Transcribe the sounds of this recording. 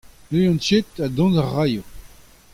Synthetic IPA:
nejɑ̃nt͡ʃet̪ad̪ɔ̃nzaʁːajo

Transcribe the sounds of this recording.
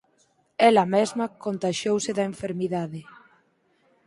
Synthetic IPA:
ɛlɐmezmɐkont̪aʃowseðɐeɱfeɾmiðaðe

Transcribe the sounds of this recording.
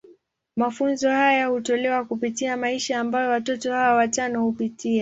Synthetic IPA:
mafunzɔhajahutɔlɛwakupitiamaiʃaːmbajɔwatɔtɔhawawat͡ʃanɔhupitia

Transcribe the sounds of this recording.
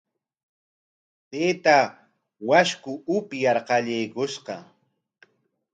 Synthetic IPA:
p̪eːt̪a | waʃkʊʊpjɑɾqɑʎejkʊʃqɑ

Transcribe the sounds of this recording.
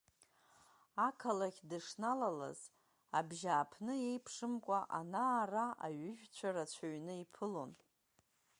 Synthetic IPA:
akʰalakʲdɨʂnalala̰z | abʒaːpʰnɨe̞jpʰʂɨmkʷʼaʔanaːraa̰ɥʏʒᶣt͡ɕʷʰaɾat͡ɕʷʰaɥnɨipʰɨlo̞n

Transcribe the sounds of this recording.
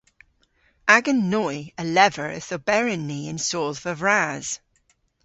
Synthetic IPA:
aɡənːɔjəlɛvəɹə̰θəbɛɹɪnːiɪ̃nsoːlˠvəvɹaz̥

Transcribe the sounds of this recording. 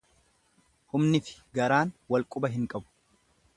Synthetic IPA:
hʊmnɪfɪ̥ɡɐɾaːnwɐlkʼʊbɐɦɪŋkʼɐbʊ̥

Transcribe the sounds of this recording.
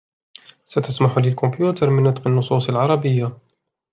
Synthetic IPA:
sat̪asmaħʊlɪlkʊmbjuːt̪ɑɾˤmɪnːʊt̪ˤqɪnːʊsˤuːsˤɑlʕɑɾˤɑbɪjːa

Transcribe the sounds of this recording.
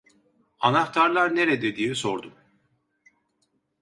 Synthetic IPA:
anaxt̪ʰaɾlˠaɾneɾɛd̪ed̪ijɛsoɾd̪um

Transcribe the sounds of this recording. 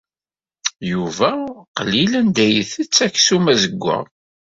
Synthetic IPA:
juvæqəlːilænd̪æjəθət͡sːæçsumæzəɡʷːæ̰

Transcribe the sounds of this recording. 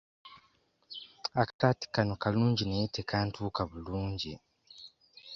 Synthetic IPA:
akḁtaːti̥kanokaluːɲɟineitʰekaːntuːkaβuluːɲɟi

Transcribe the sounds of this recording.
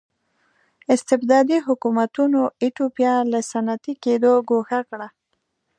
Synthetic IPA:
ɪst̪ɪbd̪ɑd̪iɦʊkumat̪unoiʈopjɑlasanat̪iked̪oɡoxakɽa

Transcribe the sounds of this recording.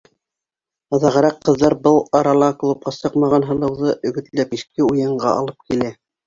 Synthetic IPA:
ɑðɑʁɤ̆ɾɑqːɤ̆ðːɑɾbɤlˠɑɾɑlˠɑklˠup̚qɑsɤqmɑʁɑnɦɤ̆lˠɤ̆wðɤʔɵ̆ɡɵ̆t̪læpiʃkɘujɤ̆ɴɢɑ̰ʔɑ̰lˠɤp̚kilæ

